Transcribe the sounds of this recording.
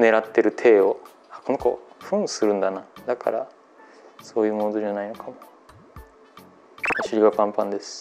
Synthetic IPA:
ne̞ɾat̪ːe̞ɾɯ̟t̪ʰe̞ːo̞ | ako̞noko̰ɸɯ̟̃ɰ̃sɨɾɯ̟̃nd̪anad̪akʰa̰ɾa | so̞ːjɯ̟ːmonzoanaino̞kʰamo | aɕiɾʲiɡapãmpãnd̪e̞sɨ̥

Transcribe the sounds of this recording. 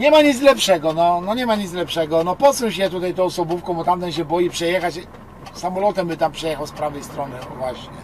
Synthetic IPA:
ɲɛmaɲid̪zlɛpʂɛɡɔnɔnɔɲɛmaɲid̪zlɛpʂɛɡɔnɔpɔsũɕjɛt̪ut̪ajt̪ɔ̃wɔsɔbufkɔ̃w̃bɔt̪amt̪ɛnɕ̬ɛbɔjipʂɛjɛxat͡ɕ | samɔlɔt̪ɛmbɘt̪ampʂɛjɛxawspɾavɛjst̪ɾɔnɘvwaɕɲɛ

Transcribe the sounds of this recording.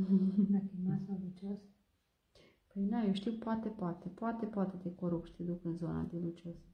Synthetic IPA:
d̪akimasalut͡ʃos | pəjd̪ajewʃt̪iwpoat̪epoat̪epoat̪e̞poat̪e̞t̪e̞koɾupʃi̥t̪ed̪ukɨnzo̞na̰d̪elut͡ʃos

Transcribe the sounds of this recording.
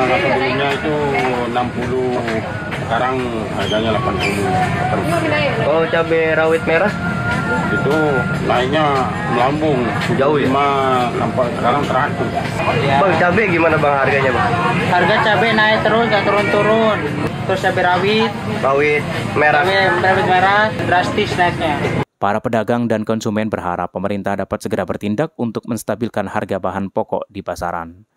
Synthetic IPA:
anamuɾunɲait̪u | nampulu | sə̥kaɾaŋ | ha̰rɡaɲalapanpulula̰pamot͡ʃabɛɾawɪt̪̚meɾah | it̪u | naiʔɲa | məlambʊŋ | ud͡ʒauimanampsəkaɾaŋt̪əɾat̪u | iabaŋt͡ʃabɛɡimanabaŋɦarɡaɲabaharɡat͡ʃabɛnaɪt̪ːəɾʊsŋɡaʔt̪əɾʊnt̪uɾʊn | t̪ːɾʊst͡ʃabɛɾawɪt̪̚rawɪt̪meɾabɛmɾawɪt̪̚meɾadɾast̪ɪsnaik̪̚ɲapaɾapədaɡaŋdankɔnsumɛnbərɦa̰ɾa̰pːəməɾint̪ahdapat̪̚səɡəɾabərt̪indak̚unt̪ʊk̚məŋst̪abilkanha̰rɡabaɦanpɔkɔ̰ʔdipasa̰ɾa̰n

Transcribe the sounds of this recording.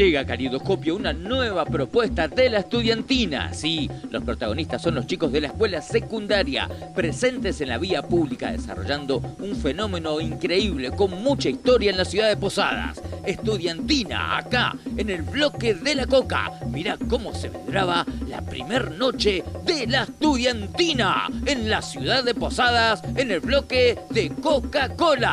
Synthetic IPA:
ʒeɣakaliðohko̞pjounanwe̞β̞apɾo̞pwe̞st̪aðelaest̪uðjant̪ina̰silʔo̞spɾo̞t̪aɣ̞o̞nist̪asːo̞nlo̞st͡ʃiko̞zðelaeskwe̞lasekund̪aɾja̰pɾese̞nt̪ese̞nlaβiapuβlika̰ðḛsa̰ro̞̰ʒand̪o̞uɱfe̞no̞me̞no̞iŋkɾe̞iβle̞ko̞nmut͡ʃaist̪o̞ɾjaenlasjuðaðepo̞sa̰ð̞a̰sest̪uðjant̪ina̰a̰ka̰enelβlo̞keðelako̞ka̰miɾako̞mo̞seβḛnd̪ɾaβala̰pɾḭmeɾno̞t͡ʃeðelaest̪uðjant̪ina̰enlasjuðaððepo̞sað̞asene̞lβlo̞keðekokakola

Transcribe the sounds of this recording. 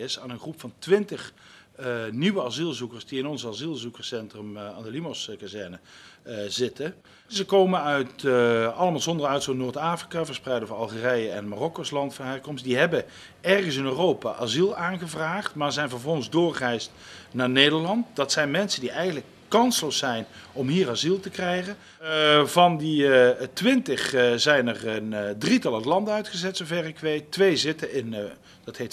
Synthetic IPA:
ɪsaːnənχrupfɑntʋɪntəχ | niʋəazilˠzukəɹsdiɪnɔnzazilˠzukəɹsɛntrəmaːndəlimoskazɛɹnə | zɪtə | zəkowmənœɥtɑlˠəmaːlˠzɔndərœɥtsunoːɹtaːfrikavəɹsprɛjdəvɑnɑlˠχərɛjəɛ̰nmarɔkoslɑntfəɦɛrkɔmstdiɦɛbə | ɛrχənsɪnøːrowpa̰ːʔazilˠaːnχəvraːχtmaːzɛjnvəɹvɔlˠχənzdʊːɹχɛjst | naːɹnejdəɹlɑntdɑtsɛjnmɛnsəndiʔɛjɣəntlək | kɑnslowsɛjnɔmɦiːrazilˠtəkrɛjχən | vɑnditʋɪntəχzɛjnərəndritɑlˠətlɑndənœɥtχəzɛtsovɛrɪkʋejtːʋejzɪtəɪn | d̥ɑtɦejt

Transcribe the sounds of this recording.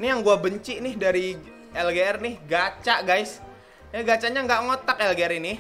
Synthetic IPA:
nijaŋɡuabəɲt͡ʃiʔnɪhdaɾi | ɛlɡeɛrnɪhɡat͡ʃaʔɡajs | jaɡat͡ʃaɲaŋɡaʔŋot̪akɛlɡeɾinɪh

